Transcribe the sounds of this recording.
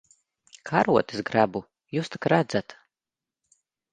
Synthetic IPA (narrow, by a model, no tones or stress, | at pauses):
kʰaɾuɔt̪ɨ̥sɡɾabu | juːst̪ḁkɾad̪zat̪